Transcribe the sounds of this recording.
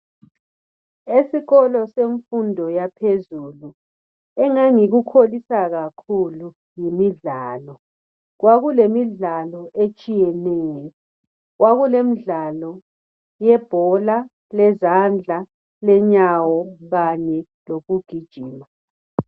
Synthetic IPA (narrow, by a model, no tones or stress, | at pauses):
esiɣɔlɔseɱfundʱɔjapʰezuːlu | ɛŋaŋiɣukʰolisaɣakʰulu | jimiɮaːlɔ | ɣwaɣulemiɮalɔʔet͡ʃʼijɛnɛːjɔ | ɣwaɣulemiɮalɔ | jɛb̥ʱɔla | lɛzand͡ɮʱa | lɛɲawɔɣaɲɛ | loɣuɡ̥ʱid̥ʒ̥ʱiːma